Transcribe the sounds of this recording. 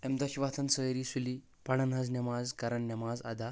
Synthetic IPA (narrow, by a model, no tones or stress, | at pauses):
ɛmd̪aɕiʋat̪ʰənsəjɾiːsuli | paɽanɦad͡znʲɐmazkaɾəɳnɐmaza̰d̪a